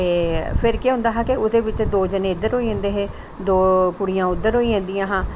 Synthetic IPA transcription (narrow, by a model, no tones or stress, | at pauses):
eːpʰɪɾkeɦʊ̃ːnd̪aːɦɛːkɪʊd̪eːʋɪt͡ʃd̪oːd͡ʒəneːɪd̪əɾɦoːiãːnd̪eːɦeː | d̪oːkʊɽijãːʊd̪ːəɾɦoːiãːnd̪ijãːɦãː